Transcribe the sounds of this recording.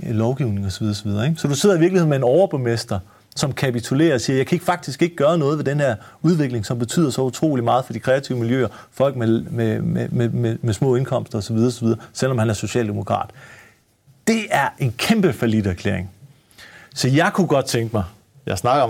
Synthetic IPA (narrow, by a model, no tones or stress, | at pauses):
lɒʊɡ̥iʊne̝ŋɒsɒʋiðˠɐsɒʋið̞ˠɐeɡ̥sɒ̽d̥use̝ð̰ˠɐiʋiɐɡ̥lihe̝̰me̝nɒʊɐb̥emesd̥ɐ | sɒ̽mkʰæpit͡sʰule̝̰ːɐːsiːɐjɑ̈ɪkʰæe̝ɡ̥fɑ̈ɡ̥̚d̥isɡ̥e̝ɡ̥əɡ̥ɶːɐnɔ̽ːðˠʋe̝d̥enhæɐ̰ | uð̞ˠʋe̝ɡ̥le̝ŋsɒ̽mb̥e̝t͡sʰy̰ð̰ˠɐsɒ̽ut͡sʰʁo̝̰ːlimɑ̈ːð̞̩ˠfɒ̽d̥ikʰʁɛæt͡sʰiʊmiljø̰ːɐfɒ̽l̰ɡ̥memememememesmɔ̰̽ːe̝nkʰɒ̽m̰sd̥ɐɒ̽sɒ̽ʋið̞ˠɐːsɒʋið̞ˠɐsel̰ɒmhænæɐso̝ɕɛ̰ːld̥emo̝kʰʁɑ̰̈ːd̥ | d̥e̝æɐʔe̝nkʰemb̥əfælid̥æɐkʰlḛɐeŋ | sɒ̽jɑ̈ɪkʰuɡ̥ɒ̽d̥̚t͡sʰeŋɡ̥mɑ̈ɪ | jɑ̈ɪsnɑ̈ɡ̥ɐ